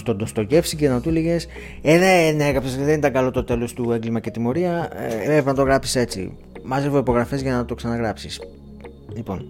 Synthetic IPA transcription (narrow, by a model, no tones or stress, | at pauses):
st̪o̞nd̪o̞st̪o̞ʝe̞fsicenɐt̪uleʝe̞s | eðeneɣɐpsesðend̪ɐɡɐlo̞t̪o̞t̪e̞lo̞st̪ue̞ŋɡlimɐce̞t̪imo̞ɾiɐevevnɐt̪o̞ɣɾɐpsi̥se̞t͡sḭ | mɐzevoipo̞ɣɾɐfe̞zʝɐnɐt̪o̞ksɐnɐɣɾɐpsis | lipo̞n